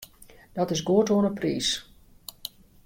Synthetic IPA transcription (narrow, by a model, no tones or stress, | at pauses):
d̥ɔtɪsɡoətoənəpriːs